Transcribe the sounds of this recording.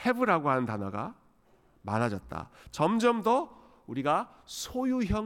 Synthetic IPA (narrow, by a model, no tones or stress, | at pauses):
he̞bɯɾaɡoɦanɯntanwaɡa̰ | manad͡ʑʌt̚t͈a̰t͡ɕʌmd͡ʑʌmdʌ | uɾiɡa | sʰojuçjʌ